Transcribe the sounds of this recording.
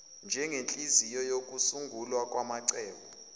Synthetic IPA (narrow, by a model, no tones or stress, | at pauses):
nd͡ʒʱɛŋent͡ɬʼizijɔjok̬ʼusuŋɡʱulwakʼwamaǀɛːɓɔ